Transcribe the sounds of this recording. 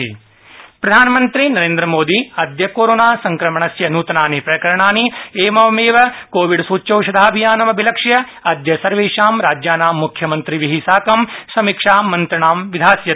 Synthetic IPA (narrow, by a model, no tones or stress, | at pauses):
pɾɐd̪ʱaːnɐmɐnt̪ɾinɐɾẽːnd̪ɾɐmoːd̪iɐd̪jɐkoːɾoːnaːsɐŋkɾɐmɐɳɐsjɐnuːt̪ɐnaːnipɾɐkɐɾɐɳaːnieːmɐʋɐmeːʋɐkoːʋiɖsuːt͡ʃɐwʂɐd̪ʱaːɐbʱijaːnɐmɐbʱilɐkʂjɐ | ɐd̪jɐsɐɾʋeːʂaːmɾaːd͡ʒjaːnaːmːukʰjɐmɐnt̪ɾiʋiɦisaːkɐmsɐmikʂaːɐnt̪ɾɐɳaːmʋid̪ʱaːsjɐ